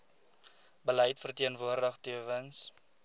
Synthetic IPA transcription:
bəlɛjtfərtiənvuərdəχtiəvəns

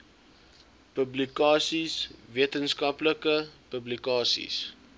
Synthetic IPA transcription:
pəblikɑːsisviətənskɐpləkəpəblikɑːsḭs

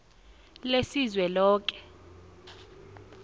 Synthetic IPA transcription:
lesizwɛlɔːk̬ʼɛ̥

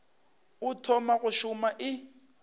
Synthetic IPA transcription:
ʊtʰɔmaɣʊʃʊmaʔɪ

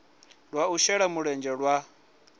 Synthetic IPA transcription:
ɺwauʃɛɺamuɺɛnd͡ʒɛɺwa

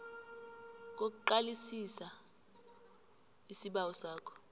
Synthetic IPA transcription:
k̬ok̬uǃalisisa | isiɓawɔsaːkʰɔ̥

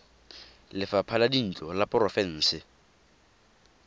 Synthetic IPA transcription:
lɪfapʰaladin̩t͡ɬʼɔlapʼʊrɔfɛn̩ːsɪ

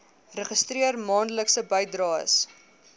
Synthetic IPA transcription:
rəχəstriərmɑːndələksəbəjdrɑːə̰s

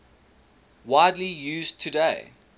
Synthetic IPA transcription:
waɪdlijʉːztʰɨdeɪ

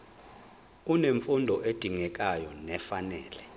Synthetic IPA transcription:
uneɱfundʱɔʔed̥ʱiŋɛk̬ʼajɔnɛfanɛːlɛ

